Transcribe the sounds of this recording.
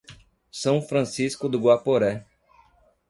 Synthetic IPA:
sɐ̃w̃fɾɐ̃siskʊd̪ʊɡwapoɾɛ

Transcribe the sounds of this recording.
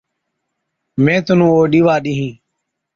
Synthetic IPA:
mẽːt̪ʊnũːoːɗiːʋaːɗiːɦĩː

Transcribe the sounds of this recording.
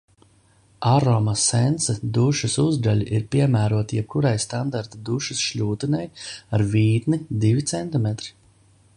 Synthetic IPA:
aɾɔmasɛnt̪sɛd̪uʃusuzd̪alʲiʔiɾpʲiɛmæːɾuɔt̪ijɛb̚kuɾajst̪and̪aɾt̪ad̪uʃusʃʎʲuːt̪inɛjaɾviːt̪nid̪ivʲit̪sɛnt̪imet̪ɾi̥

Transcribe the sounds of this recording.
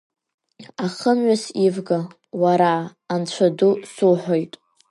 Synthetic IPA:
aχəmɥasivɡa | waɾaːnt͡ɕʷʰadusuħʷᶣojtʼ

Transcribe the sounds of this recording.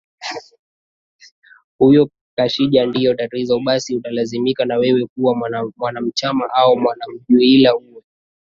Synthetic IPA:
hujɔ | kaʃiʄandijɔtaɾizauɓasiutalazimikanawɛwɛkuwamwanam̩t͡ʃamaʔaɔmwanam̩ʄuilauwɛ

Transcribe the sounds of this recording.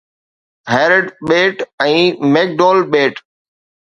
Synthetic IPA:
ɦɛːɾəɖɓeːʈɛ̃ːmeːk̚ɖoːlɓeːʈ

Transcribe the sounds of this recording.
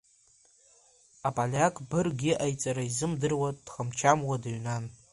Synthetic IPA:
apʼalʲakʼbɨrɡʲɪʔajt͡sʼaɾaizɨmdɨrwad̥χamt͡ʃʰamwadaɥnan

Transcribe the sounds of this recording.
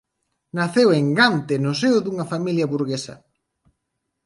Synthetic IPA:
naθeweŋɡant̪enʊseʊðuŋɐfamiljɐβuɾɣesɐ̰

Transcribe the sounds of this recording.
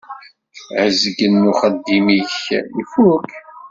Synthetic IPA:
ʕəzəɡənːuχəd̪ːimiçḭfuk

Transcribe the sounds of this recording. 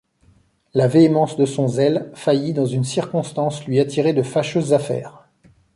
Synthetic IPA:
laveemɑ̃sd̪əsɔ̃zɛlfajid̪ɑ̃zynsiʁkɔ̃st̪ɑ̃slɥiat̪ʰiʁed̪əfaʃøzːafɛ̰ːʁ

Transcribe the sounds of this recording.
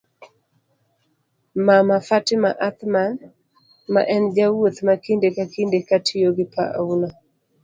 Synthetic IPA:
mamafatɪmaʔat̪man | ma̰ʔɛnd͡ʒawot̪makindekakindekatʰɪjoɡɪpa̰ʔa̰una

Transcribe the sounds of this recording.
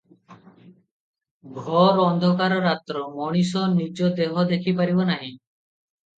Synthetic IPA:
ɡʱɔɾɔnd̪ʱɔkaɾɔɾat̪ːɾɔmɔɽ̃is̬ɔnid͡ʒɔd̪eɦɔd̪ekʰipaɾibonaɦĩ

